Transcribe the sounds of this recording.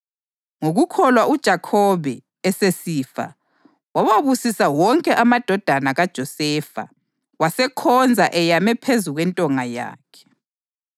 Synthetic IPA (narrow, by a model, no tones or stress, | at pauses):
ŋoɣukʰɔlwaʔud̥ʒ̥ʱakʰɔβɛː | sesiːfa̰ | wawaβusisawɔŋkʼɛʔamad̥ʱɔd̥ʱanaɣad̥ʒ̥ʱɔsɛːfa̰ | wasɛkʰɔnd͡zʱaʔɛjamɛpʰezuɣwɛntʼɔŋaja̰ːkʰɛ̥